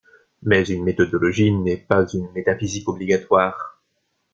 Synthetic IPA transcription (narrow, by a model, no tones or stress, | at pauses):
mɛzynmet̪ɔd̪ɔlɔʒinɛpazynmet̪afizikɔbliɡat̪waːʁ